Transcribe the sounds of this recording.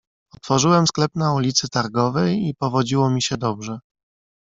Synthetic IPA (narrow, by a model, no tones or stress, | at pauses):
ɔt̪fɔʐɘwɛmsklɛpnaulʲit̪sɘt̪aɾɡɔvɛjipɔvɔd͡ʑiwɔmʲiɕɛd̪ɔbʐɛ